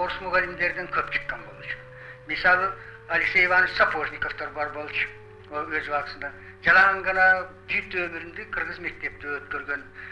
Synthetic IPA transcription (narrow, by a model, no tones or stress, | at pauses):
oɾəsmʊʁɑlimd̪e̞ɾd̪ɪŋkʲʰɵpt͡ʃʰə̥qːɑnbolˠʃə̥ | mɪsɑlˠə | aliksejvɑnəʃsapʰoʒnʲiko̞ft̪ɑɾbɑɾbo̞lˠʃə̥ | owɵzbɑqəsənd̪ɑ | ʒɑlˠɑʁɑɴʁɑnɑbʰyjt̪ːwɵmɪɾɪnd̪eqʰəɾʁəzme̞k̚t̪e̞p̚t̪ɪwɵt̪kʲøɾɡʲen